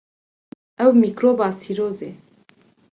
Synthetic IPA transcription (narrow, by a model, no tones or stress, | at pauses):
ɛwmiːkɾoːbaːsiɾoːze